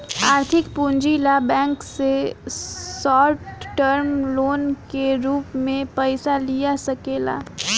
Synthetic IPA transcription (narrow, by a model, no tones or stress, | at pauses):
aːɾt̪ʰɪkpũːɲd͡ʒilabɛ̃ːŋkse | sɔːʈʈəɾmloːnkeɾuːpmẽpɛɪsalijasɐkeːla̰ː